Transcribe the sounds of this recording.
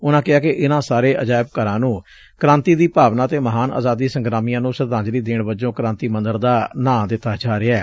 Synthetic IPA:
ʊnãːkɪɦaːkɪʔɪnãːsaːɾeːʔəd͡ʒaːɪbkəɾãːnũː | kəɾãːnt̪iːd̪iːpaːʋnãːt̪eːməɦaːna̰ːzaːd̪iːsəŋɡɾaːmijãːnũːsəɾd̪ãːɲd͡ʒɾiːd̪eːɳbəd͡ʒõːkɾãːnt̪iːmə̃nd̪əɾd̪aːnãːd̪ɪt̪ːaːd͡ʒaːɾɪɛː

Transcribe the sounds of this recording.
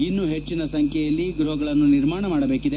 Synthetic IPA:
inːuɦe̞t͡ʃːinɐsɐŋkʰjɛjɐlːiɡɾuɦɐɡɐɭɐnːuniɾmaːɳɐmaːɽɐbe̞ːkid̪e

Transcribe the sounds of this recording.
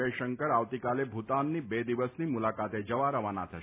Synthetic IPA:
eʃəŋkəɾaʋt̪ikalebʱut̪anːibed̪iʋəsnimulakat̪ed͡ʒəʋaɾəʋana̰t̪ʰə

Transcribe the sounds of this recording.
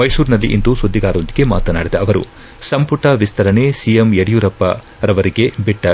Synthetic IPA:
mɐjsuːɾnɐlːiʔind̪usud̪ʱːiɡaːɾɐʋond̪iɡe̞maːt̪ɐna̰ːɽid̪ɐɐʋɐɾṵ | sɐmpuʈɐʋist̪ʰɐɾɐɳe̞sijemeɽijuɾɐpːɐ̰ | ɾɐʋɐɾiɡe̞biʈːɐ

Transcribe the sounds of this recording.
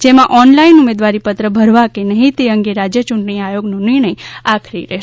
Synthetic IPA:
d͡ʒemãʔɔnlainumed̪ʋaɾipət̪ɾəbʱəɾʋakenəɦĩt̪eəŋɡeɾad͡ʒjət͡ʃʊɳʈəɽ̃iajoɡnũnɪɾɳ̃əjakʰɾḭɾeɦʃ

